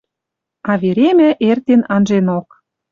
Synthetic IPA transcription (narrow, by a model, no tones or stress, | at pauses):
ɑβeɾemæʔert̪enɑnʒenok̚